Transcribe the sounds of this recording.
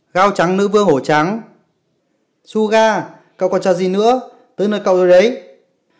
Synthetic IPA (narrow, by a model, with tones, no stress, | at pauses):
ɣaː˧wt͡ɕa˨˦ŋnɨ̰˧˥vɨ˧əŋho˧˩t͡ɕa˨˦ŋ | su˧ɣaː˧ | kə̰˧˨wkɔ˨˩t͡ɕɔ˧˩zi˨˩nɨ̰˧˥ə | t̪ɨː˨˦jnəː˧˩jkə̰˧˨wzo˨jɗə˨˦j